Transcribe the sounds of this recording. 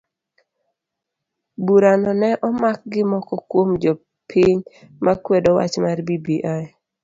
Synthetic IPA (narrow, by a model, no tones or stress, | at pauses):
buɾanɔnɛʔɔmak̚ɡɪmɔkɔkwomd͡ʒɔ | pʰiɲ | mʔakwɛdɔwa̰t͡ʃmarbibiʔaj